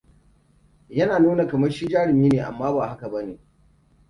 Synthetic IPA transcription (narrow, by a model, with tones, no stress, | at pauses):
jɐ˦naː˨nuː˦na˨kɐ˨mɐ˦rʃi˦d͡ʒaː˦ɽɪ˨miː˦neː˨ʔa̰˨mːaː˦baː˨ɦa˦ka˨bɐ˦neː˨